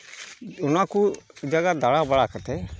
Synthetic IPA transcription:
ʊnãːkud͡ʒəɡad̪aɽabəɽakət̪e

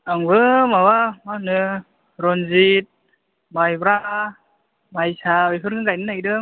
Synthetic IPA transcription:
aŋbɯmawamanɯ | ɾɔnzit̚ | majbɾa | majsabipʰɯɾŋɯŋɡajnɯnaɡdɯŋ

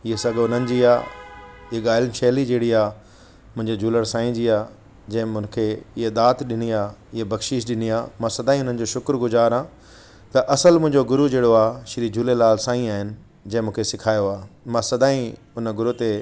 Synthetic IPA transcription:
ɪɦesɐɡʊn̤ənɪ̆d͡ʑiːaː | ɪɦeɠaːɪlnʃeːlid͡ʑeːɽiaː | mʊ̃ɦɪ̃ɲd͡ʑed͡ʑʱuːləɾsãːĩd͡ʑiːaː | d͡ʑɐ̃ɦɪ̃mʊ̃nkʰeɪɦed̪aːt̪ɗɪniaːɪɦebɐɡʃiʃ̬ɗɪniaːmãːsɐd̪aːĩʊn̤ənɪ̆d͡ʑoːʃʊkɾɡʊzaːɾɦãː | t̪ɐʔɐsəlmʊ̃ɦɪ̃ɲd͡ʑoɡʊɾud͡ʑeːɽoaːʃɪɾid͡ʑʱuːlelaːlsãːĩaːɦɪnɪ̆ | d͡ʑɐ̃ɦɪ̃mũːkʰesɪkʰaːjoaːmãːsɐd̪aːĩ | ʊnɡʊɾut̪e

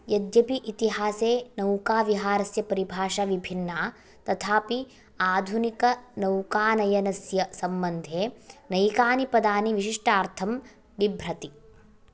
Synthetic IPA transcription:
jɐd̪jɐpiʔit̪iɦaːseːnɐwkaːʋiɦaːɾɐsjɐpɐɾibʱaːʃaʋibʱinːaː | t̪ɐt̪ʰaːpi | aːd̪ʱunikɐnɐwkaːnɐjɐnɐsjɐsɐmbɐnd̪ʱeːnɐjkaːnipɐd̪aːniʋiʃiʂʈaːɾt̪ʰɐm | ʋibʱɾɐt̪i

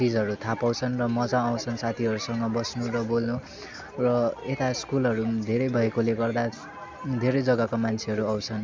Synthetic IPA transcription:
t͡sid͡zʌɾut̪ʰapaw̃t͡sʰʌnrʌmʌd͡zãaw̃t͡sʰʌnsat̪ʰiʌɾusʌŋɡʌbʌsnurʌbolnu | rʌet̪askulɦʌɾud̪ʱeɾʌjbʱʌekoleɡʌrd̪a | d̪ʱeɾʌjd͡zʌɡʌkomant͡sʰeɦʌɾuaw̃t͡sʰʌn

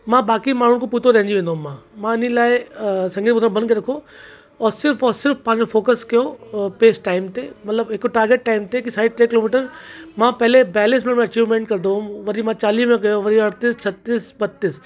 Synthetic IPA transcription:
mãːbaːkimaːɾʊɽ̃koput̪oɾɛɦɛ̃nd͡ʒiʋẽːnd̪oɦmːãːmãːɪnilaːesɐ̃ŋɡiːt̪bʊd̪ɾãbɐnd̪keɾɐkʰo | ɔːɾsɪɾfʰɔːɾsɪɾfpãːd͡ʒofoːkəskijopeːsʈːaːɪmt̪emɐt̪ləbekoʈaːɾɡeːʈːaːɪmt̪ekisaːiʈɾeːkɪloːmiːʈəɾmãːpɛɦlebɛːl̃smẽmẽɐt͡ʃiːʋmẽːɳʈkɐɾd̪oũʋɐɾimãːt͡ʃaːliːmẽɡɐjoʋɐɾiɐɽt̪iːst͡ʃʰɐt̪ːiːsbɐt̪ːiːs

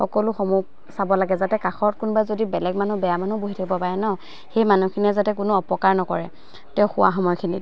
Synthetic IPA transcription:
xɔkɔlʊxɔmuɡ | sabɔlaɡɛzatɛkaxɔt̚kʊnbazodibɛlɛɡmanubɛjamanuboɦitʰakʰibɔpaɹɛnɔ | xejmanukʰiniɛzatɛk̬ʊnʊɔpɔkaɹnɔkɔɹɛ | tɛʊxʊwa̰xɔmɔjkʰini

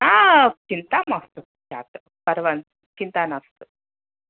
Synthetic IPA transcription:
akint̪amast̪u | d͡ʒat̪ | pɐɾʋan | kint̪anast̪ɨ

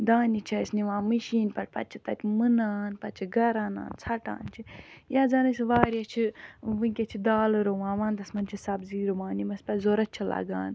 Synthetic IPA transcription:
d̪aːnit͡ʃʰɐsniʋãːmɨʃiːnpɐʈ̚pɐt̪̚t͡ʃʰit̪ɐt̪ʰʲimɨnaːnpɐt͡ʃʰiɡɐɾaːna̰ːnt͡sʰɐʈa̰ːnt͡ʃʰijaːd͡zaːnɐsiʋaːɾʲat͡ʃʰiʋɨŋkʲet͡ʃʰid̪aːlɾoʋãːnʋãːnd̪ɐsmɐnt͡ʃʰisɐbziːɾoʋaːnimɐspɐzoːɾɐt͡ʃʰɐla̰ɡa̰ːn

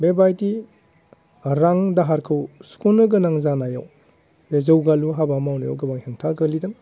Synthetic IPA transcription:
bebajti | ɾaŋdaɦaɾkʰɯwskunɯɡɯnaŋzanaja̰w | dezɐwɡaluɦabamawnɯja̰wɡɐbaŋheŋtʰaɡəlidɯŋ

